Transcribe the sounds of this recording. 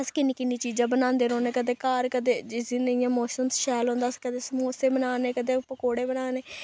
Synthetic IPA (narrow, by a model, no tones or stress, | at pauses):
əskɪnːiːkɪnːiːt͡ʃiːd͡ʒãːbənãːnd̪eːɾoːneːkəd̪eːkaːɾkəd̪eːd͡ʒɪsiːnɪjãːmɔːsəmsʃɛːlõːnd̪aːskəd̪eːsəmoːseːbənaːneːkəd̪eːpəkoːɽeːbənaːneː